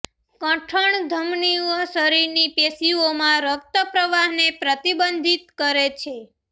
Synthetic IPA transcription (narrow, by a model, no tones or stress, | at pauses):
kə̃ʈʰəɳd̪ʱəmniəsəɾiɾnipesiomãɾək̚t̪əpɾəʋaɦnepɾət̪ibənd̪ʱit̪̚kəɾet͡ʃʰe